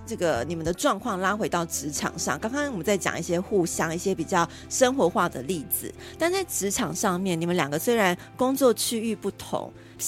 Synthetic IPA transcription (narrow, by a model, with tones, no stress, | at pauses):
ʈ͡ʂɤ˥˩ɡə˩ni˨˩mə˨˦nd̪ə˧ʈ͡ʂwɑ˥˧ŋkʰwɑ˥˩ŋla˥xwe˧˥ɪt̪ɑ˥˩ʊʈ͡ʂɻ̩˧˥ʈ͡ʂʰɑ̰˨˩ŋʂɑ̰˥˨˩ŋkɑ˥ŋkɑ˥ŋwɔ˨mə˨˦nt͡sa˥˩ɪt͡ɕjɑ̰˨˩ŋi˥˩ɕjɛ˥xu˥˩ɕjɑ˥ŋi˥˩ɕjɛ˥pi˨˩t͡ɕjɑ˥˩ʊ | ʂə˥nxwɔ˧˦xwa˥˩d̪ə̰˩li˥˩d͡zɹ̩̰˩˦ | t̪a˥˧nt͡sa˥˩ɪʈ͡ʂɻ̩˧˥ʈ͡ʂʰɑ˨˩ŋʂɑ˥˧ŋmjɛ˥˩ni˨˩mə˦nljɑ˨˩ŋɡə˦swe˥ɪɻa˧˦n | kʊ˥ŋt͡swɔ˥˨t͡ɕʰy˥y˥˧pu˥˩t̪ʰʊ̰˧˥˦ŋ